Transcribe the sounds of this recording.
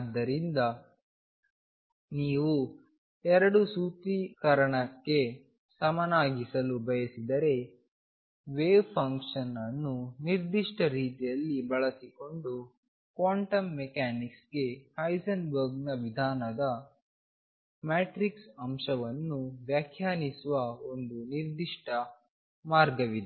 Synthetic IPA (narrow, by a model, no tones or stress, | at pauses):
d̪ːɐɾind̪ɐ | niːʋu | ɛɾɐɽusut̪ikɐɾɐɳɐkːe̞ | sɐmɐnaːɡisɐlubɐjɐsid̪ɐɾe̞ | ʋeːbpʰɐŋkʂɐnɐnːuniɾd̪iʂʈɐɾiːt̪ijɐlːibɐɭɐsiko̞ɳɖu | kʋaːɳʈɐmːɛkaːniksɡe̞hɐjsɐnbɐɾɡnɐʋid̪ʱaːnɐd̪ɐ | maːʈɾiksɐmʃɐʋɐnːuʋjaːkʰjaːnisuʋɐo̞nd̪uniɾd̪iʂʈʰɐ | maːɾɡɐʋid̪e